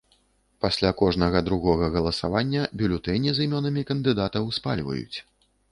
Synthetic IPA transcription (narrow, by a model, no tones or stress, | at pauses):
pasʲlʲakɔʐnɐɣɐd̪ɾuɣɔɣɐɣɐlˠɐsa̰vanʲːɐbʲulʲut̪ɛnʲizimʲɔnɐmʲikɐnd̪ɨd̪at̪ɐwspa̰lʲvɐ̰jṵt͡sʲ